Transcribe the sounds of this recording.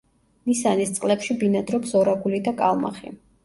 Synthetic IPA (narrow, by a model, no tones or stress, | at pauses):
nisanist̪sʼqʼlɛpʃibinad̪ɾɔksɔɾaɡulid̪akʼalˠma̰χḭ